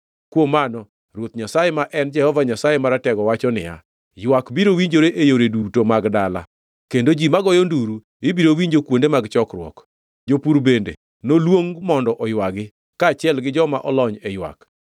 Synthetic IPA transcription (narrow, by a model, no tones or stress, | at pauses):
kwomanɔ | ɾwot̪ɲasajemaʔɛnd͡ʒɛhɔvaɲasajemaɾatɛɡɔwat͡ʃɔnɪ̰ja̰ | jwakbiɾowiɲd͡ʒoɾeʔejoɾedutomaɡdala̰ | kendod͡ʒimaɡɔjɔnduɾu | ɪbiɾowiɲd͡ʒokwondemaɡt͡ʃɔkɾwɔ̰k | d͡ʒopuɾbendḛ | nolwoŋmɔndɔʔɔjwaɡɪ | kaːt͡ʃɪɛlɡɪd͡ʒɔmaʔɔlɔɲɛjwa̰k